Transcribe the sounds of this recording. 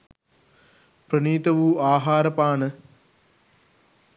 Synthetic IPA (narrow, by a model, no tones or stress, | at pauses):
pɾɐɳiːt̪ɐʋuːʔaːɦaːɾɐpaːnə